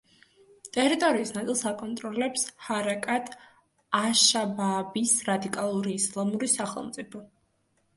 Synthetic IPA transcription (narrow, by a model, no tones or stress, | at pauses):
t̪ʼɛɾit̪ʼɔɾiːsnat̪sʼilˠsakʼɔnt̪ʼɾɔlɛpshaɾakʼat̪ʰ | aʃababisɾad̪ikʼalˠuɾiːslˠamuɾisaχɛ̰lˠmt̪sʼipʰɔ